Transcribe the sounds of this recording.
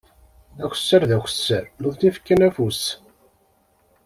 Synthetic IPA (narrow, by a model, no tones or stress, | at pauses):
æçə̥sːəɾðæçə̥sːəɾnʊɾθifkːænæfus